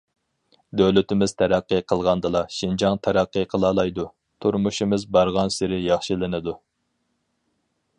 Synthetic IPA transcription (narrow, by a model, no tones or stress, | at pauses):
d̪øwlɪt̪ɪmɪz̥t̪ʰæɾæqːɨqʰəlˠʁɑnd̪ɨlˠɑʃind͡ʒɑŋt̪ʰæɾæqːiqʰəlˠɑːlˠɑjd̪u | t̪ʰuɾmuʃimɨzbɑɾʁɑnsɪɾɪjɑχʃilɪnɨd̪u